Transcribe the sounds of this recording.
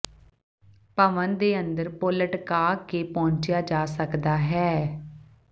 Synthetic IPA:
pəʋənd̪eːənd̪əɾpʊləʈkaːkeːpɔ̃ːɲt͡ʃɪjaːd͡ʒaːsəkd̪aːɦɛː

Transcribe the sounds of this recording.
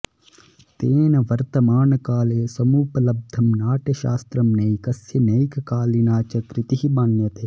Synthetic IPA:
t̪eːnɐʋɐɾt̪ɐmaːnkaːleːsɐmuːpɐlɐb̚d̪ʱɐmnaːʈɐʃa̰ːst̪ɾɐmnɐikɐsjɐnɐikkaːlinaːt͡ʃɐkɾɪt̪iɦiɓaːnjɐt̪e

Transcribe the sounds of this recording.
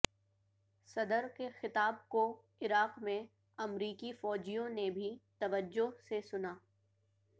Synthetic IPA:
sɐd̪əɾkexɪt̪aːb̚ko | ɪɾaːqmẽ | ɐmɾiːkifɔːd͡ʒijõnebʱit̪ɐʋəd͡ʒːʊɦsesʊnaː

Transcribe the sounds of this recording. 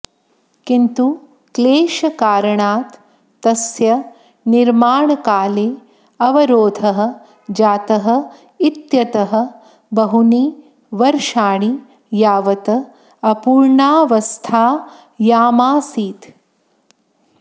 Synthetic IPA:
kint̪u | kleːʃɐkaːɾɐɳaːt̪ː | ɐsjɐ | niɾmaːɳɐkaːleː | ɐʋɐɾoːd̪ʱɐɦɐ̆ | d͡ʒaːt̪ɐɦɐ̆ | it̪jɐt̪ɐɦɐ̆ | bɐɦuniː | ʋɐɾʃaːɳi | jaːʋɐt̪ɐ | ɐpuːɾɳaːʋɐst̪ʰaː | jaːmaːsiːt̪

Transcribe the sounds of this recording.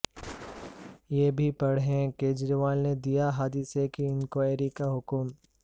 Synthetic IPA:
jeːbʱipɐɽɦɛ̃keːd͡ʒɾiʋaːlned̪ijaɦaːd̪isekiɪnkoeːɾikaɦʊkʊm

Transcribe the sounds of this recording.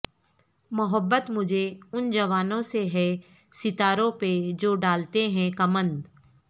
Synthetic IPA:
mʊɦəbːət̪mʊd͡ʒʱeʊnd͡ʒɐʋaːnõseɦɛ | sɪt̪aːɾõped͡ʒoːɖaːlt̪eɦɛ̃kɐmə̃nd̪

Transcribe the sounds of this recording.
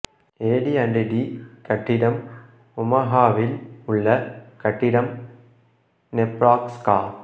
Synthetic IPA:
eːɽiɐɳɖeɖikɐʈːɪɽɐm | ʊmɐɦaːʋɪlʊɭːɐkɐʈːɪɽɐm | nɛpɾaːkskaː

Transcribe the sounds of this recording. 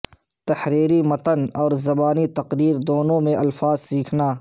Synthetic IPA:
t̪ɐhɾiːɾimɐt̪ənɔːɾzɐbaːnit̪ɐqɾiːɾd̪oːnõmẽʔɐlfaːzsiːkʰnaː

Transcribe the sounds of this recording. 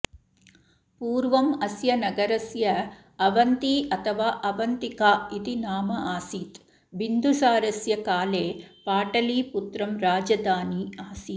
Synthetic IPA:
puːɾʋɐmɐsjɐnɐɡɐɾɐsjɐ | ɐʋɐnt̪iɐt̪ʰɐʋaːʔɐʋɐnt̪ikaːit̪inaːmɐʔaːsiːt̪ | ʋind̪ʱusaːɾɐsjɐkaːleːpaːʈɐliːput̪ɾɐmɾaːd͡ʒɐd̪aːniaːsit̪

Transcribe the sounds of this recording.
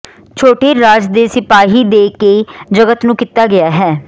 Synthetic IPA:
t͡ʃʰoːʈeːɾaːd͡ʒd̪eːsɪpaːɦiːd̪eːkeːd͡ʒəɡət̪nũːkɪt̪ːaːɡɪaːɦɛː

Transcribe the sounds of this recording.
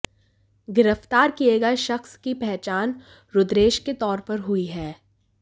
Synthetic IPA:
ɡɪɾəft̪aːɾkieɡɐeʃɐxskipɛɦt͡ʃaːn | ɾʊd̪ɾeːʃket̪ɔːɾpɐɾɦʊiɦɛː

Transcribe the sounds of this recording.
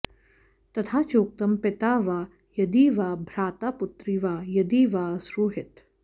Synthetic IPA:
t̪ɐt̪ʰaːt͡ʃoːk̚t̪ɐmpɪt̪aːʋaː | jɐd̪iːʋaːbʱɾaːt̪aːput̪ɾiʋaːjɐd̪iːʋaːsɾuɦɪt̪

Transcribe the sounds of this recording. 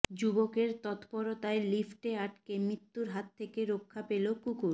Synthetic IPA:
d͡ʑubokeɾt̪ɔt̪pɔɾot̪aelifʈeaʈkemɾit̪ːuɾɦat̪ʰːekeɾokʰːapelokukuɾ

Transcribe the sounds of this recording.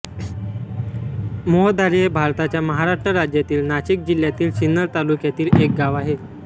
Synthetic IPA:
moɦəd̪ʱaɾiebʱaɾt̪at͡ɕjaməɦaɾaʂʈɾəɾad͡ʑjat̪iːlnaɕik̚d͡ʑiljat̪iːlɕinːəɾt̪alukjat̪iːlek̚ɡaʋaɦe

